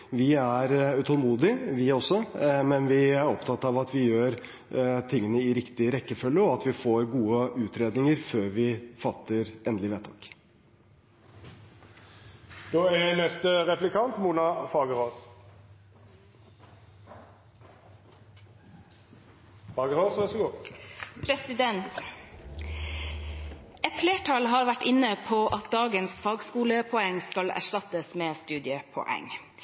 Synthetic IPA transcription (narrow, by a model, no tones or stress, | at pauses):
ʋɪæɾʉt̪ʰɔlmuːd̪ɪʋɪɔsːɔmɛnʋɪæɾɔpt̪ʰɑt̪ːɑʋɑt̪ʋɪjøːɾ | t̪ʰɪŋːənəɪɾɪkt̪ɪɾɛkːəfœlːəɔɑt̪ʋɪfoːɾɡuːəʉːt̪ɾeːd̪nɪŋəɾføːɾʋɪfɑt̪ʰːəɾɛnd̪lɪʋɛːt̪ʰɑ̰k | d̪̥oːɛnɛst̪əʁɛplɪkʰɑnt̪muːnɑfɑːɡəʁoːs | fɑːɡəɾoːsʋɛsɔɡoːpʰɾɛsɪd̪ɛnt̪ | ɛt̪fleːʈʰɑlɦɑːɾʋæʈɪnəpʰoːʔɑt̪̚d̪ɑːɡənsfɑːɡskuːləpʰɔɛŋskɑlæ̰ʂʈɑt̪əsmeːst̪ʉːd̪ɪəpʰɔ̰ʔɛ̰ŋ